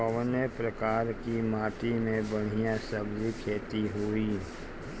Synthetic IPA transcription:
əʋənəpɾɐkaːɾkimaːʈimẽbɐɽ̤ijãsəbdikʰeːt̪iɦui

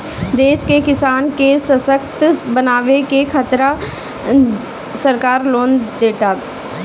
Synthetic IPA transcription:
d̪eːʃkekɪsaːnkesəsəkt̪bənaːʋekekʰat̪ɾa | səɾkaːɾloːnd̪eːʈaːt̪

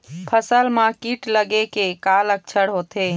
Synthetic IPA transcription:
pʰəsəlmakiʈləɡekekalək̚t͡ʃʰəɽɦot̪e

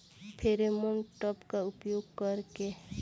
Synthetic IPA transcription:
pʰeɾemonʈɔpkaʊpjoɡkəɾke

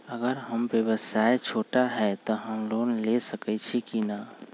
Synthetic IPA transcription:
əɡəɾɦəmbjəbəsaet͡ʃʰoʈaɦɛt̪ɔɦəmlonlesəkɛt͡ʃʰikina

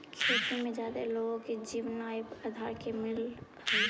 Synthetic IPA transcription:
kʰiːt̪imẽd͡ʒaːd̪eloɡõked͡ʒiːʋnapaːd̪ʱaːɾkemɪl | ɦɛ

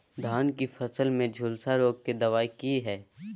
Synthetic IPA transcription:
d̪ʱaːnkifʰɐsəlmẽd͡ʒʱʊlsaɾoːɡ̚ked̪ɐʋaːikiɦɛː

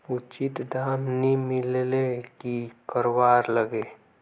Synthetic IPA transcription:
ʊt͡ʃɪt̪d̪ʱaːmnimɪllekikəɾwaːɾləɡeː

